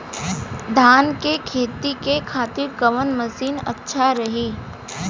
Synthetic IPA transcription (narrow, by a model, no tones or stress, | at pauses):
d̪ʱaːnkekʰeːt̪ikekʰaːt̪ɪɾkɐʋənmɐsiːnɐ̰tːʃʰaɾɐɦiː